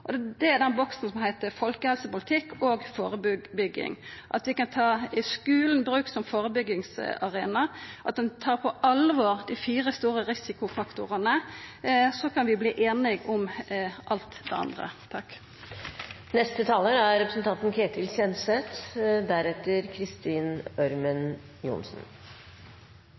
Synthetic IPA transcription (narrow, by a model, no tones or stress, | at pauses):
ʔɔd̪ɛæɾd̪ɛnbɔksn̩sɔmhæɪt̪əfɔlkəhɛlsəpʊlɪt̪ʰɪkːoːɡfoːɾəbʏɡbʏɡːɪ̰ŋʔɑt̪ʋɪkɑnt̪ʰɑːɪskʉːlnbɾʉːksɔmfoːɾəbʏɡɪŋsɑʁeːnɑʔɑt̪̚d̪ɛnt̪ʰɑːʁpʰɔʔɑlʋoːʁd̪ɪfiːɾəst̪uːʁəɾɪsɪkʊfɑkt̪ʊʁənə | sɔkʰɑnʋɪbliːʔeːnɪɡʊmʔɑlt̪d̪ɛ̰ɑ̰nd̪ʁə̰t̪ʰɑkː | nɛst̪ət̪ʰɑːləɾæɾɾɛpɾəsnt̪ʰɑnt̪nkʰeːt̪ɪlsɛnsɛt̪d̪æɾɛt̪əɾkʰɾɪst̪iːnœɾmən | jʊ̰nsn̩